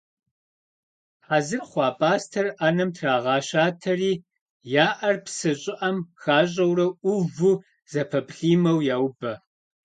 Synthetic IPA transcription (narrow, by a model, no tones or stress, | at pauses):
ħazɨrχʷɑːpʼaːstʰɐranɐmtʰraːʁɑːɕaːtʰɐriː | jaːʔɐrpsɨɕʼɪʔɐmxaːɕ̬ʼɐwrɐʊvu | z̥ɐpʰɐpɬiːmɐwjaːwbɐ